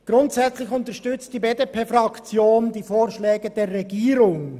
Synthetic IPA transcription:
ɡ̥ɾʊntsɛt͡slɪçʊntəʃtʏt͡std̥iːbeːdepʰeːfɾɑkt͡sjoːndiːfoːɾʃlɛːɡəd̥eːɾːɛɡiːɾʊŋ

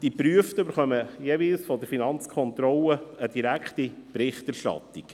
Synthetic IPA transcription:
d̥ipɾyəft̪əøbəɾχœməjeːviːlsfɔdəɾfinɑnt͡skʰɔnt̪ɾɔləəd̪̥iɾækʰt̪ipɾɪχtæɾʃtɑ̰t̪ik

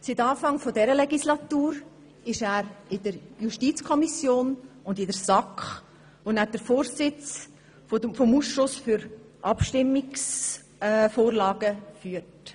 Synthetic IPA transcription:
sitɑːfɑŋfodɛɾəlɛɡislɑt̪uːɾ | ɪʃæːɾɪdəɾjuʃtit͡skʰɔmisjoːnʊndɪdəɾsɑkχ | vonæːd̥əɾfoːɾsɪt͡s | fofɔmuːsʃlʊsfyɾ | ʔɑpʃtɪmːɪks | foːɾlɑːɡəfyːəɾt

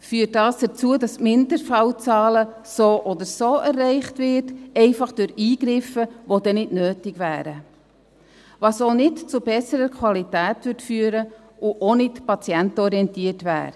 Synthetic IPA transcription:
fyːtdɑːsd̥ət͡suədɑsmɪndəɾfɑwt͡sɑːlə | soːʔɔd̪əɾsoːʔɛrːɛɪχtvɪtɛɪfɑχd̥ʊɾiːɡ̥ɾɪfəʋodɛnɪdnøːtɪɡʋæːɾə | ʋɑsonɪtt͡subɛsəɾəkʰwɑlitæːtvʏrtfyːəɾə | ʔʊʔonɪtpɑt͡siɛntɔɾiɛntiːətʋæ̰ːɾ

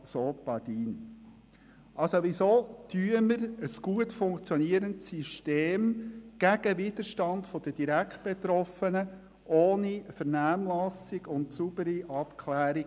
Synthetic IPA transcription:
soːpɑdiːnḭ | ʔɑlsoʋisoːtyəməɾəsɡ̥uətfʊŋkt͡sjɔniəɾəntsiʃteːmɡ̥æɡ̥əvid̪̥əɾʃtɑndfɔd̥əd̥iɾækt̚b̥et̪ɾɔfənə | ʔoːnifəɾnæːmlɑsiɡʊntsub̥əɾiʔɑpkʰlæːɾi

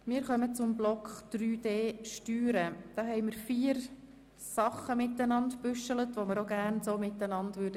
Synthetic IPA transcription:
mɪːɾχœmət͡sʊmblɔkχd̪̥ɾyːd̥eːʃtyːɾəd̥ɑːɦɛɪməɾfiːəɾ | sɑχːəmɪtːənɑntpʏʃələtʋoməɾoɡærnsoːmɪtːənɑndʋøɾdə

